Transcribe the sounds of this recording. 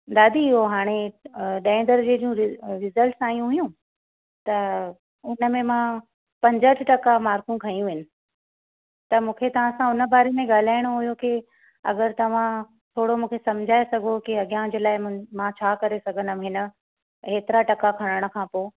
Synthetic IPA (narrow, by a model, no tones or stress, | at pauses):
d̪aːd̪ʱiɪɦoɦaːɽ̃eɗaːɪ̃nd̪əɾd͡ʑeːd͡ʑiũɾɪɾɪzəlʈsaːjũɦʊjũ | t̪ɐ | ʊnə̆mẽmã | pɐ̃ɲd͡ʑəʈʰʈɐkamaːɾkũkʰɐijũʋɪnɪ̆ | t̪ɐmũːkʰet̪ɐʋ̤ãsãʊnə̆baːɾemẽɠaːl̤aːɪɽ̃oɦʊijoki | ɐ̰ɡəɾt̪ɐʋ̤ã | t̪ʰoːɽomũːkʰesɐmd͡ʑʱaːesɐɡʱokiɐɠijãd͡ʑeːlaːɪmãt͡ɕʰaːkɐɾesɐɡʱənəmɦɪnə̆ | ɦeːt̪ɪɾaʈɐkakʰɐɽ̃əɽ̃̆kʰãːpoː